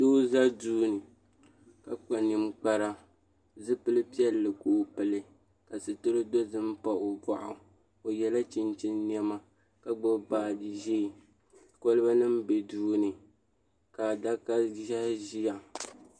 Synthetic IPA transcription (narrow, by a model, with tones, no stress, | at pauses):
to˦za˦duː˦nɨ˨ | ka˨k͡pa˨ni˨mk͡pa˦ɾa˦ | zɨ˦pɨ˦lɨ˦pi˦ɛ˦lːɨ˨koː˨˦˨pɨ˨lɨ˦ | ka˨sɨ˨tɨ˦ɾɨ˦do˦zɨ˦m˦pa˨ʔo˨ba˨ʔʊ˨ | o˨jɛ˨la˦t͡ʃɪ˨nt͡ʃɪ˦nːi˦ɛ˦ma˦ | ka˨ɡ͡bʊ˦baː˨dɨ˨ʒe˦˨ | ko˦lɨ˦ba˦nɨ˦mbɛ˨duː˦nɨ˨ | kaː˨da˦ka˦a˦ʒi˦ja˨